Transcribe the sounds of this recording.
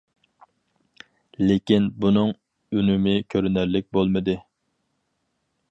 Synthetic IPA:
lekʲinbunɨŋ | ynɪmɪkʲʰøɾynæɾlɪk̚ʲbolˠmɨd̪ɨ

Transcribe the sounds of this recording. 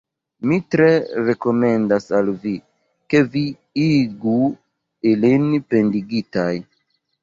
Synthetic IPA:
mitɾe̞ɾe̞ko̞me̞ndasalvi | ke̞vi | iɡu | ilinpe̞ndiɡitaj

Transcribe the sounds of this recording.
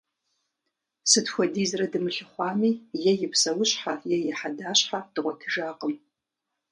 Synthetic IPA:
sɨtxʷɔdiːzrɐdɨmɨɬɨχʷɑːmiːjɛjɪpʰsɐwʊɕʼħajɛjɪħadaːɕħad̥ɨʁʷɔtʰɨʒaːqʼəm

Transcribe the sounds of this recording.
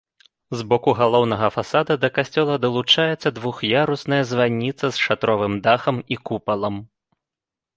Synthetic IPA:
zbɔkuɣalˠɔwnɐɣɐfasad̪ɐd̪ɐkasʲt͡sʲɔlˠɐd̪ɐlˠut͡ʂajɛt̪sːɐd̪vuxjaɾusnɐjɐzvanʲːit̪sɐsʂat̪ɾɔvɨmd̪axɐmikupɐlˠɐm

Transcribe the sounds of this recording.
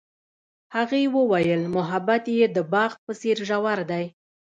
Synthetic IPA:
haɣewəwajəlmʊɦabat̪jed̪əbɑɣ̚pəseɾʒawaɾd̪aj

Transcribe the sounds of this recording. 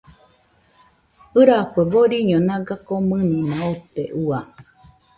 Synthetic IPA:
ɨɾakʷeboɾiɲõnãɡakomɨ̃nĩnãop̪eʔua

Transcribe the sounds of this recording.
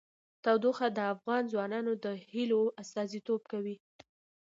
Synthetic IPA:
t̪awd̪oxad̪əafɣɑnzwɑnɑnod̪əhiloast̪ɑzit̪ob̚kawi

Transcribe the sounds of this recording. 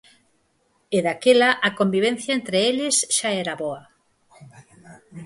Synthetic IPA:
eðakelaʔakombiβ̞en̟θjɐent̪ɾeeʎɪsʃaɛɾaβɔɐ

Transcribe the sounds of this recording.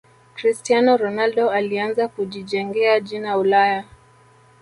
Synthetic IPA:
kɾistianɔɾɔnaldɔalianzakuʄiʄɛŋɡɛaʄinaulaja

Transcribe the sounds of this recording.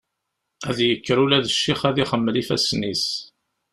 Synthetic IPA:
æðjəkːɾulæðəʃːiχæðiχəmːəlifæsnis

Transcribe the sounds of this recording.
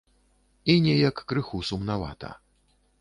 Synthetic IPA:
inʲɛjɐkːɾɨxusumnava̰t̪ɐ̰

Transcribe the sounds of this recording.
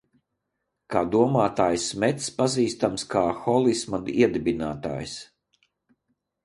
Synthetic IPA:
kaːd̪uɔmaːt̪aːjsmɛt̪spaziːst̪amskʰaːxɔlˠismad̪iɛd̪ibinaːt̪a̰ːjs

